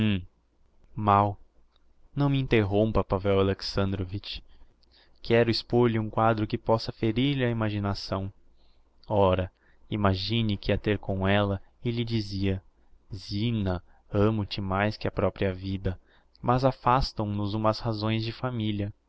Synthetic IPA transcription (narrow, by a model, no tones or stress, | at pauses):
maw | nɐ̃w̃mɪĩnt̪eɦõw̃mpɐpavɛwaleksɐ̃nd̪ɾovit͡ʃ | kʰɛɾʊispoɾʎɪũkwad̪ɾʊkɪpɔsɐfeɾiɾʎɪɐimaʒinasɐ̃w̃ | ɔɾɐ | imaʒĩnɪkɪɐt̪eɾkõw̃ɛlɐ | ɪʎɪd͡ʒiziɐ | zinɐ | ɐ̃mʊt͡ʃɪmajskɪɐpɾɔpɾiɐvid̪ɐ | mɐzafast̪ɐ̃w̃nʊzũmɐshazõj̃zd͡ʒɪfamiliɐ